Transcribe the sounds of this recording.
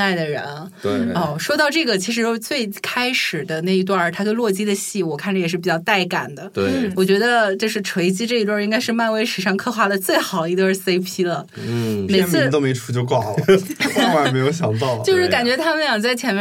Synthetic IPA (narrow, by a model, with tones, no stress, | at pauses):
a˥˩ɪd̪ə˩ɻə̰˧˥n | wɔ˥˩ʂwɔ˥t̪ɑ˥˧ʊʈ͡ʂɤ˥˩ɡə˩t͡ɕʰi˧˥ʂ̬ɻ̩˧˥o˥˧ʊt͡swe˥˩ɪkʰa˥ɪʂɻ̩˨˩d̪ə˦na˥˩i˧˥t̪̬wa˥˩t̪ʰa˥kə˥lwɔ˥˩t͡ɕi˥d̪ə˨ɕi˥˩wɔ˨˩kʰa˥˩nʈ͡ʂə˩jɛ˨˩ʂɻ̩˥˩pi˨˩t͡ɕjɑ˥˧ʊt̪a˥˩ɪka̰˨˩nd̪ə˦t̪we˥wɔ˨˩t͡ɕɥɛ˧˥d̪ə˧t͡ɕo˥˧ʊʂɻ̩˥˩ʈ͡ʂʰwe˧˥ɪt͡ɕi˥ʈ͡ʂɤ˥˩˧i˥t̪wa˥˧i˥ŋka˥ɪʂɻ̩˥˧ma˥˧nwe˥ɪʂɻ̩˨˩ʂɑ˥˧ŋkʰɤ˥˧xwa˥˧lə˨t͡swe˥˩ɪxɑ˨˩˦ʊi˧˥t̪wə˥˧˩se˥ɪpʰi˧˥lə˨ | me˨˩˥t͡sʰɹ̩˧˥˧t̪o˥me˧˥ɪʈ͡ʂʰu̥˧˥t͡ɕjo˥˧ʊkwɑ˥˩ʊl | ma˥˩˨me˧˥ɪjo˧˥ʊɕjɑ˨˩ŋt̪ɑ˥˩ʊlt͡ɕjo˥˧ʊʂɻ̩˥˩ka˨˩nt͡ɕɥɛ˧˥t̪ʰa˥mə˨n˥jɑ˨˩ŋt͡sa˥˩ɪt͡ɕʰjɛ˧˥nm˥